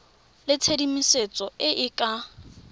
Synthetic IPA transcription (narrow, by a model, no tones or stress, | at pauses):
lɪt͡sʰedimiset͡sʼɔɪʔɪkʼa